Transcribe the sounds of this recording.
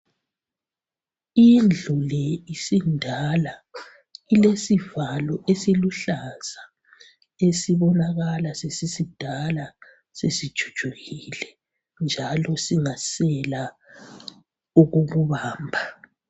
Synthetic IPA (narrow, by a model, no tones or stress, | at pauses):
ind͡ɮʱulɛisindʱala | ilesivalɔʔesiluɬaz̥a | esiβɔnaɣalasesisid̥ʱala | sesid̥ʒ̥ʱu̥d̥ʒ̥ʱuɣilɛ | nd͡ʒʱalɔsiŋasɛla | uɣuɣuβaːmbʱa